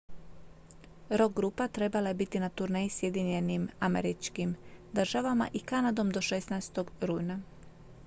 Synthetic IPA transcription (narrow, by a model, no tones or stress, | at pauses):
ɾo̞ɡɡɾupat̪ɾe̞balaje̞bit̪inat̪uɾne̞jisje̞d̪iɲe̞nimamḛɾit͡ʃkimd̪r̩ʒaʋama̰ʔikanad̪o̞md̪o̞ʃesnajst̪o̞ɡɾujna